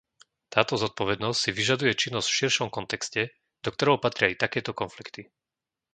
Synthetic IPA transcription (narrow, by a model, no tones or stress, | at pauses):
t̪aːt̪ɔzɔt̪̚pɔʋɛd̪nɔscsiʋiʒad̪ujɛt͡ʃinːɔz̥cfʃiɾʃɔmkɔnt̪ɛkscɛ | d̪ɔkt̪ɔɾɛɦʊpat̪ɾɪaijt̪akɛːt̪ɔkɔnflikt̪i